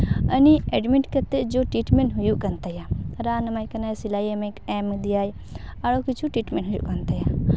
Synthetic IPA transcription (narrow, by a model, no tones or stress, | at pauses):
ɐnieɖmiʈkɐt̪ed͡ʒoʈɾiːʈmeɳʈɦujukɐnt̪ɐjaɾaːnɐmajkɐnaːjsilaːjɐmekemid̪ijaːj | aɽokit͡ʃʰuʈɾiːʈmẽnɦujṵkɐnt̪ɐja